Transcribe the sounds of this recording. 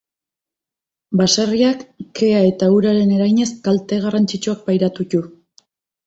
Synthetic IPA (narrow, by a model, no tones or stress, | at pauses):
basariakːe̞ae̞t̪auɾaɾe̞ne̞ɾajɲe̞skalt̪e̞ɣ̞arant͡sit͡ʃuak̚pajɾat̪ucu